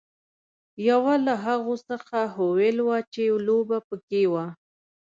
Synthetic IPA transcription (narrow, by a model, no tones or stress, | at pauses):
jawalaɦaɣosəxaɦowelwat͡ʃelobapəkewa